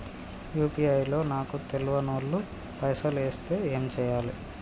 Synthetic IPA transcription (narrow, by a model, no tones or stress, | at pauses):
juːpiɐjlo̞ːnaːkut̪eluʋɐnoːɭːu | pɐjsɐleːst̪e̞ːe̞ːmt͡ʃɛːjaːli